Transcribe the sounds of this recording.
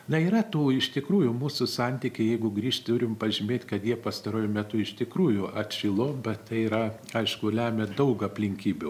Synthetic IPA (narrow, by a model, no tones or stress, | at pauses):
nɐiːɾɐt̪uːɪʃt̪ʲɪkɾuːjʊmuːsʊsɑnʲt̪ʲiːkʲɪjɛɪɡʊɡɾʲiːʃtʲt̪ʊɾʲɪmpɐʒʲɪmʲeːt̪ʲkɐt̪jiɛpɐst̪ɐɾuɔjʊmʲɛt̪ʊɪʃt̪ʲɪkɾuːjʊʔɐt̪ʲʃʲɪlˠoːbʲɛt̪t̪ɐɪiːɾɐ | ɐɪʃkʊlʲæːmʲɛd̪ɐʊkɐpʲlʲɪŋʲkʲiːbʲʊ